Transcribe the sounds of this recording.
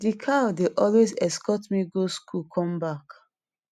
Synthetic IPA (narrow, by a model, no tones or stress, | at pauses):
dikʰawdeʔɔlwezɛskɔtmiɡoskʰukʰɔ̃mbak